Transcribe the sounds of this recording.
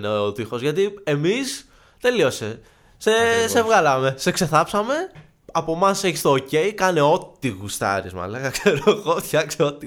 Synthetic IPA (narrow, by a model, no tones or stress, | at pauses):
neot̪ixo̞zʝɐt̪ie̞mis | t̪e̞lio̞se | sesevɣɐlɐme̞sekse̞θɐpsɐme̞ | ɐpo̞mɐse̞çist̪oːce̞jkɐneo̞t̪iɣust̪ɐ̰ɾizmɐ̰lɐkɐkse̞ɾoɣot̪çɐkseot̪i